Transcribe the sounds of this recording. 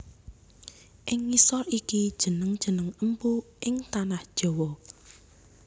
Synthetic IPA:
ʔɪŋːisɔlikid̥ʒ̥ə̤nəŋd̥ʒ̥ə̤nəŋəmpuʔɪŋt̪anahd̥ʒ̥ɔ̤wɔ

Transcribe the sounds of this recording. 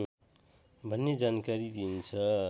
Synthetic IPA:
bʱʌnːed͡zankaɾid̪int͡sʰʌ

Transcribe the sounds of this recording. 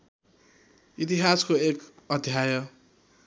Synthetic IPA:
it̪iɦaskoekʌd̪ʱjajʌ

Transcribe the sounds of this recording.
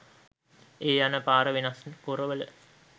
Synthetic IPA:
eːjanəpaːɾəʋenaskuɾəʋələ̰

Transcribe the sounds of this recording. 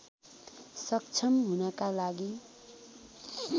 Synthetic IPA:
sʌk̚t͡sʰʌmɦunʌkalaɡi

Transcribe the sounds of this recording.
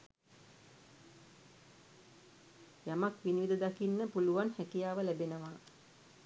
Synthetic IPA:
jamakʋiniʋid̪əd̪akinːəpuluʋanhækijaːʋəlæbenəʋa

